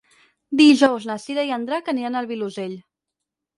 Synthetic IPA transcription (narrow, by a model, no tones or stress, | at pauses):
d̪iʒɔwznəsiɾaiənd̪ɾakənianəlˠβiluzeʎ